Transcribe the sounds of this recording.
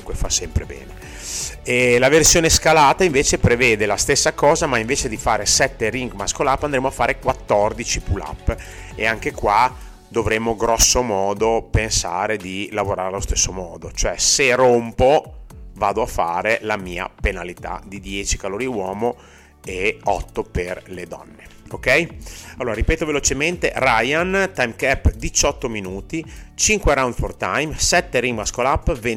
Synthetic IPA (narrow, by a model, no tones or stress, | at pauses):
ukwefasɛmpɾḛbɛ̰ːne | ɛlaversjoːneskalaːt̪aiɱveːt͡ʃepɾeveːd̪elast̪esːakɔːzamaiɱveːt͡ʃed̪ifaːɾesɛt̪ːeɾiŋɡmaskolapːand̪ɾeːmoafːaːɾekwat̪ːɔrd̪it͡ʃipula̰pːḛaŋkekwa | d̪ovɾemːoɡɾɔsːomɔːd̪opensa̰ːɾed̪ilavoɾaːɾealost̪esːomɔːd̪ot͡ʃoɛserompovaːd̪oafaːɾelamiːa̰penalit̪a̰d̪id̪jɛːt͡ʃi̥kaloːɾiwɔːmo | eɔt̪ːoperled̪ɔ̰nːeokɛjalːoːɾaɾipɛːt̪ovelot͡ʃement̪erajant̪ajmkɛpːd̪it͡ʃɔt̪ːominuːt̪it͡ʃiŋkweɾawnd̪fort̪ajmsɛt̪ːeɾimaskolapːve